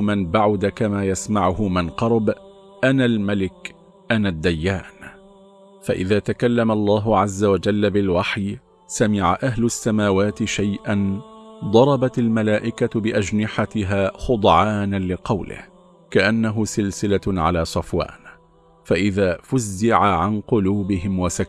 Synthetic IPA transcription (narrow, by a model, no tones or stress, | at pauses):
mɪnbaʕʊd̪akamaːjasmaʕʊhʊmɪnqɑɾˤb | ʔanaːlmalɪk | ʔanaːd̪ːajːaːn | fa̰ʔɪðaːt̪akalːamalˤːɑːɦʊʕazːawad͡ʒalːabɪlwaħj | samɪʕaʔaɦlʊʔsːamaːwaːt̪ɪʃajʔand̪ˤɑɾˤɑbat̪almalaːʔɪkabɪʔad͡ʒnɪħat̪ɪɦaːxʊd̪ˤʕaːnalɪqɑwlɪ̰h | kaʔanːaɦʊsɪlsɪlaʕa̰laːsˤɑfwa̰ːn | faʔɪðaːfʊzːɪʕaʕanqʊluːbɪɦɪmwasa